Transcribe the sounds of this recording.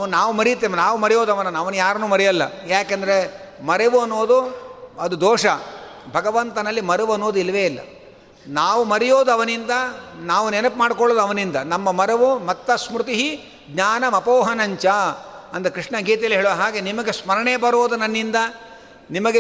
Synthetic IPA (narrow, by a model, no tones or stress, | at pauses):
unaːʋumɐɾijt̪ːeːmnaːʋumɐɾɛjoːd̪ɐʋɐnːɐnɐʋɐnujaːɾɐnuːmɐɾɛjɐlːɐjaːkɐnd̪ɐɾe | mɐɾeʋuɐnːoːd̪uɐd̪ud̪ɔːʂɐ | bʱɐɡɐʋɐnt̪ɐnɐlːimɐɾeʋɐnːoːd̪uilɐʋeːilːɐ̰ | naːʋumɐɾɛjoːd̪uɐʋɐnind̪ɐnaːʋunenɐpmaːɽkɔɭoːd̪ɐʋɐnind̪ɐnɐmːɐmɐɾeʋumɐt̪ːɐsmɾut̪iɦi | ɡɲaːnɐmɐpoːɦɐnɐɲt͡ʃɐɐnd̪ɐkɾiʂɳɐɡiːt̪ɐjɐlːiɦeːɭoɦaːɡe̞nimɐɡe̞smɐɾɐɳeːbɐɾoːd̪unɐnːind̪ɐ | nimɐɡe